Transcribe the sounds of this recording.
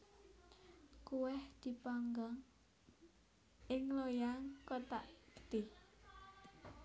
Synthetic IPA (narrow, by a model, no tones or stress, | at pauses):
kuwɛhd̪̥i̤paŋɡɔŋ | ʔɪŋlojaŋkot̪aʔkə̥t̪ɪh